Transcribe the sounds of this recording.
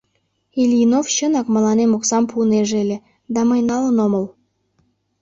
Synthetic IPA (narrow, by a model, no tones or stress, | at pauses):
ilʲinofɕənɑkməlɑnemoksɑmpuneʒelʲe | d̪ɑməjnɑlənoməl